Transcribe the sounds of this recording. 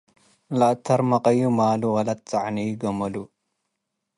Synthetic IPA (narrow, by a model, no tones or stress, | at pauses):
laʔt̪ʰɐɾmɐqʼɐjumaːluwɐlɐt̪̚t͡sʼaʕnijɡɐmɐlu